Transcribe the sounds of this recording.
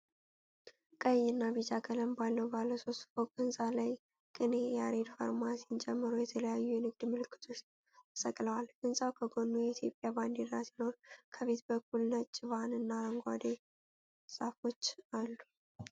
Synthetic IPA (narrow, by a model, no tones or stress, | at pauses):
kʼəjːɨnːaβit͡ʃʼakʼələmbalːəwbaləso̞st̪foɡʼɨnsʼalaj | kʼɨnejaɾed̪fa̰ɾmasint͡ʃʼɛmːɨɾujɛt̪ʰələjajːujɛnɨɡd̪mɨlɨkʰːɨ̥t̪ʰo̞t͡ʃ̪ʰ | ɨ̥səkʼləwalɡɨnsʼawkʰəɡo̞nːujɛit̪ʰjo̞pʼjaband̪id̪ɾasino̞ɾkʰəβe̞t̪bəkːulnət͡ʃʼːɪβanɨnːaləŋɡʷa̰d̪e | sʼafo̞t͡ʃːalːu